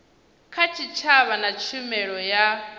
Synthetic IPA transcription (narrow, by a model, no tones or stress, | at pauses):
kʰat͡ʃʰit͡ʃʰaβanat͡ʃʰumɛɺɔja